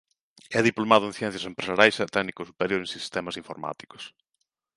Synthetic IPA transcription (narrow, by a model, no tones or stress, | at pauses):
ɛðiplomaðʊẽnθjɛ̃n̟θjɐsempɾesaɾjajsat̪ɛɣnikʊsupeɾjoɾẽnsist̪ɛmɐsĩɱfoɾma̰t̪i̥kʊ̥s